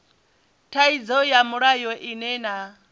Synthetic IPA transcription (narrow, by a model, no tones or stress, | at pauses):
tʰaid͡zɔjamuɺajɔʔinɛna